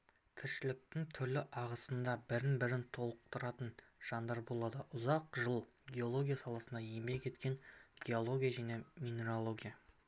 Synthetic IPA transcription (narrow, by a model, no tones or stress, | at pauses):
t̪ʰɪɾʃɪlɪk̚t̪ɪŋt̪ʰʏɾlɪʔɑʁəsənd̪ɑbɪɾɪnbɪɾɪnt̪ʰo̞lˠəq̚t̪əɾɑt̪ənʒ̥ɑnd̪ɑɾbo̞lˠɑd̪əʔʊzɑqʒəlˠ | ɡʲe̞o̞lˠo̞ɡʲijasɑlˠɑsənd̪ɑjembe̞kʲʰe̞t̪kʲe̞ŋɡʲe̞o̞lˠo̞ɡʲijaʒane̞mʲine̞ɾo̞lˠo̞ɡʲija